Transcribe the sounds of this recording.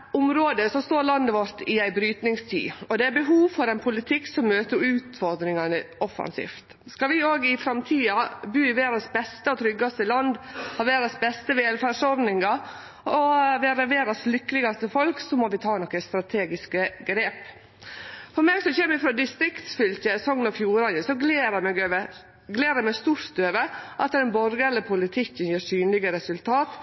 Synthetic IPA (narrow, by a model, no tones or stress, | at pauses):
ʊmɾoːd̪əsɔst̪oːɾlɑnd̪əʋɔɾt̪ɪæɪbɾyːt̪nɪŋst̪ʰy̰ːɔd̪ɛæɾbəɦuːʋfɔɾɛnpʰʊlɪt̪ʰɪksɔmːøːt̪əɾʉːt̪fɔɾd̪ɾɪŋɑnəɔfɑ̰nsḭːft̪ | skɑlʋɪoːɡɪfɾɑmt̪ʰiːɑbyːɪʋeːɾɑsbɛst̪əɔt̪ʰɾʏɡɑst̪əlɑnd̪hɑːʋeːɾɑsbɛst̪əʋeːlfæːʂɔɾd̪nɪŋɑ | ɔʋeːɾəʋeːɾɑslʏkːəlɪɡɑst̪əfɔlksɔmɔʋɪt̪ʰɑːnɔkːəst̪ɾɑt̪ʰeːɡɪskəɡɾeːp | fɔɾmɛːɡsɔçɛmːəɪfɾoːd̪ɪst̪ɾɪkt̪sfʏltəsɔŋnɔfjuːɾɑnəsɔɡleːɾəmɛɡə | ɡleːɾəmɛst̪uːʂst̪øːʋəʔɑt̪ːd̪ɛnbɔɾɡələpʰʊlɪt̪ʰɪkːənjeːsyːnlɪɡəɾɛsʉlt̪ʰɑːt̪